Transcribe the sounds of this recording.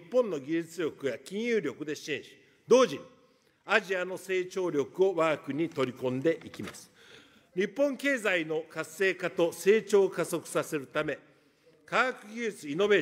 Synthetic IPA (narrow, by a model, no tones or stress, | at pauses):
pːõ̞nːo̞ɡʲiʑit͡sɨɾʲo̞kɯ̟jakʲĩɰ̃jɯːɾʲo̞kɯ̟d̪e̞ɕeːɕi̥ | d̪o̞ːʑiɲ̟i | aʑiano̞se̞ːt͡ɕo̞ːɾʲo̞kɯo̞βaːkɯ̟ɲ̟it̪o̞ɾʲikõ̞nd̪e̞ʔikʲimasɨ̥ | ɲ̟ipːõ̞ŋke̞ːzaino̞kasːe̞ːkat̪o̞se̞ːt͡ɕo̞ːkaso̞kɯ̟̥sase̞ɾɯ̟t̪ame̞ | kaːkɯ̟ɡʲiit͡sɨino̞be̞ː